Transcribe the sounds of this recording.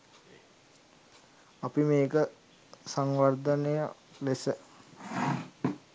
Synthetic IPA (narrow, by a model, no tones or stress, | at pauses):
apimeːkə | saŋʋard̪ənejə̰lesə